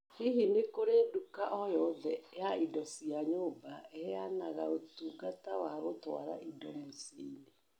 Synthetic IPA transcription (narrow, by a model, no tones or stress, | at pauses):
hiɦinekoɾedukaʔɔjɔðɛjaidɔsiaɲoːbaɛɛanaɣaotuːɡatawaɣotwa̰ɾa̰ʔidɔmosḭne